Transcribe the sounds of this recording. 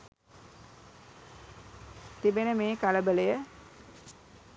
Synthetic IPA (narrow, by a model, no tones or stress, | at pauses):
t̪ibenəmeːkaləbələjə